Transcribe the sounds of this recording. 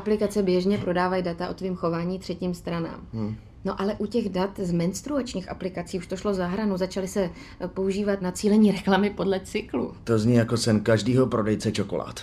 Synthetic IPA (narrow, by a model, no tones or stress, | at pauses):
ʔaplɪkat͡sɛbjɛʒɲɛpɾo̞daːvajidat̪aʔo̞t̪viːmxo̞vaːɲiːt̪r̝̥ɛciːmst̪ɾana̰ːm | no̞ʔalɛʔucɛɣdat̪zmɛnst̪ɾuat͡ʃɲiːxʔaplɪkat͡siːuʃt̪oʃlo̞zaɦɾanuzat͡ʃalɪsɛ | po̞uʒiːvat̪nat͡siːlɛɲiːɾɛklamɪpodlɛt͡sɪklṵt̪o̞zɲijakosɛnkaʒdiːɦo̞pɾo̞dɛjt͡sɛt͡ʃoko̰la̰ːt̪